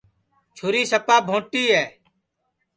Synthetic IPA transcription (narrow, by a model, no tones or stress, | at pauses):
t͡ʃʰoːɾiːsəpaːbʱõːʈiːɦɛː